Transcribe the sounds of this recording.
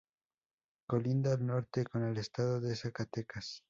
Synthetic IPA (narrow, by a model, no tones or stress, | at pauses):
ko̞lind̪aːlno̞ɾt̪e̞ko̞ne̞le̞st̪aðoðesakat̪e̞kas